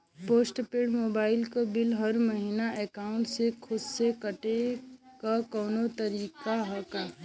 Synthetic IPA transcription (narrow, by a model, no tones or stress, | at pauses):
poːsʈpeːɽmoːbaːɪlkobɪlɦəɾməɦiːnaekaːʊ̃ɳʈsekʰʊdsekəʈekakɔːnot̪əɾiːkaɦɛkaː